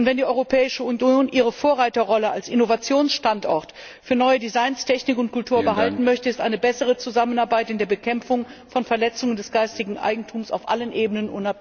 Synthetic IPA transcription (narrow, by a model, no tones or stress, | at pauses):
ʊntv̥ɛndiːʔɔʏʁopʰɛːɪʃəunjoːnʔiːʁəfoːɐʁaɪtɐʁɔləalsʔɪnovat͡sjoːnsʃtantʔɔ̰ɐt | fyːɐnɔʏədizaɪnstʰɛçnɪkʊntkʰʊltʰuːɐbəɦaltn̩mœçtəɪstʔa̰ɪnəbɛsəʁ̞ət͡suzamənaɐbaɪtɪndeːɐbəkʰɛmfʊŋfɔnfɛɐlɛt͡sʊŋəndɛsɡ̥aɪstɪɡŋ̩ʔa̰ɪɡŋ̩tʰuːmsa̰ʊfʔa̰lənʔeːbənənʔʊnap̚